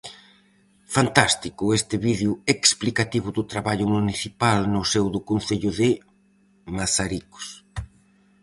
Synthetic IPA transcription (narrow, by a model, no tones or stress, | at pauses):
fant̪ast̪ikʊest̪ɪβiðeʊeksplikat̪iβʊðʊt̪ɾaβaʎʊmuniθipalnʊsewðʊkonθeʎʊðɪ | masaɾiko̥s